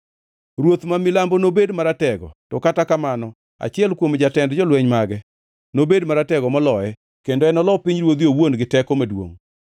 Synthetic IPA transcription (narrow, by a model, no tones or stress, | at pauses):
ɾwot̪mamilambonobedmaɾatɛɡɔ̰tɔkatakamanɔ | a̰t͡ʃɪɛlkwomd͡ʒatɛndd͡ʒɔlwɛɲmaɡɛ | nobedmaɾatɛɡɔmɔlɔɛ | kendoɛnɔlɔpiɲɾwod̪iowonɡɪtɛkomadwo̰ŋ